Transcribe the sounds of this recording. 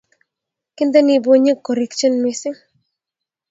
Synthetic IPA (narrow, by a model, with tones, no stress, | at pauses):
kɪ˦nd̪ɛ˦nɪ˨bo˦ɲe˦kːɔ˨ɾɛ˨˦kt͡ʃə˦nmɪ˦sɪ˦ŋ